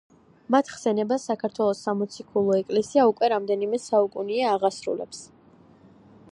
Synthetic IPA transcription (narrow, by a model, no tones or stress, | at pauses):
mat̪ʰχsɛnɛbasakʰaɾt̪ʰwɛlˠɔsːamɔt̪sʰikʰulˠɔɛkʼlɛsiaukʼwɛɾamd̪ɛnimɛsaukʼuniaːʁasɾṵlɛ̰ps